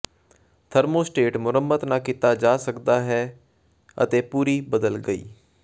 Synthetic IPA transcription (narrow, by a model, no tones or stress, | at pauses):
t̪ʰəɾmoːsʈeːʈmʊɾəmːət̪nãːkit̪aːd͡ʒaːsəkd̪aːɦɛː | ə̰t̪eːpuːɾiːbəd̪əlɡəḭː